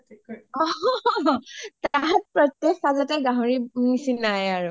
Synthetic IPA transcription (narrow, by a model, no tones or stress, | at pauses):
tʰɔ | taɦat̚pɹɔtjexazɔtɛɡãɦɔɹinisinajaɹu